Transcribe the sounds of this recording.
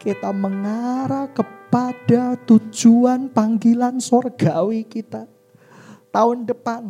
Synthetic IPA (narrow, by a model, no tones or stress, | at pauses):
kit̪aməŋaɾakəpad̥at̪u̥d͡ʒuanpaŋɡilansorɡ̥awikit̪a | t̪aʊndəpan